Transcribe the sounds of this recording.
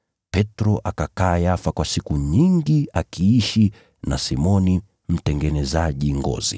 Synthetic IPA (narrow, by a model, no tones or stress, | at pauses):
pɛtɾɔʔakakaːjafakwasikuɲiŋɡiakʰiiʃi | nasimɔni | m̩tɛŋɡɛnɛzaʄiŋɡɔ̰zḭ